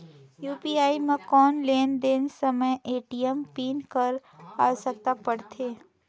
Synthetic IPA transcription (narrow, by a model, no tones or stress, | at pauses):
juːpiːaːimẽkɔːnleːnd̪eːnsɐməjʔeːʈijəmpiːnkəɾa̰ːsɐk̚t̪apɐɽt̪ʰeː